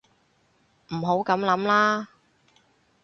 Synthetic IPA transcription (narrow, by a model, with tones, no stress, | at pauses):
m̩˨˩ɦo˨˥wkɐ˨˥mlɐ˨˥mlaː˥